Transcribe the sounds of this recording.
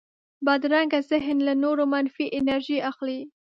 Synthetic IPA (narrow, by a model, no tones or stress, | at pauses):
bad̪ɾaŋɡazɪɦnlanoɾomanfiʔɪnaɾʒiaxli